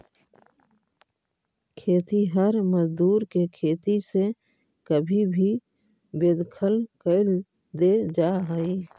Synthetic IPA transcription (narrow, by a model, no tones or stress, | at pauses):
kʰeːt̪iɦəɾməzd̪uːɾkekʰeːt̪ise | kəbʱibʱi | beːd̪kʰəlkəɪl | d̪ed͡ʒaːɦaiː